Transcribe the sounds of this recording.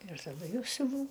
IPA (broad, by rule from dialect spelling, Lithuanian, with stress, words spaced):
ɪr tɐˈdʊ ˈjɛʊ sʲʊˈʋɐʊ